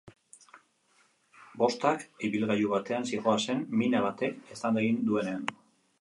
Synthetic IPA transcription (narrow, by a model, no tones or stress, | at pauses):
bo̞st̪akiβilɣajuβat̪e̞ansiɣo̞ase̞nminaβat̪e̞kesand̪eɣind̪ue̞ne̞an